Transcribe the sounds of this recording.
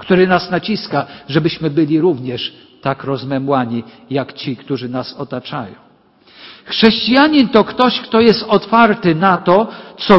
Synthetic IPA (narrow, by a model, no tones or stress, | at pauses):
kt̪uɾɘnasnat͡ɕiskaʐɛbɘɕmɘbɘlʲiɾuvɲɛʂ | t̪akɾɔzmɛmwaɲi | jakt͡ɕikt̪uʐɘnasɔt̪at͡ʂa̰jɔ̰̃w̃ | xʂɛɕt͡ɕijaɲint̪ɔkt̪ɔɕkt̪ɔjɛst̪ɔt̪faɾt̪ɘnat̪ɔt̪sɔ